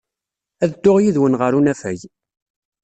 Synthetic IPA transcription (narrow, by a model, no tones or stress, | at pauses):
æðd̪ːʊʁjiðwənʁəɾunæfæj